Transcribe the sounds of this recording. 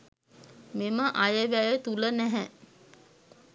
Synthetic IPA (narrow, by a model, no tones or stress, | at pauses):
meməʔajəʋæjət̪ulənæɦɛ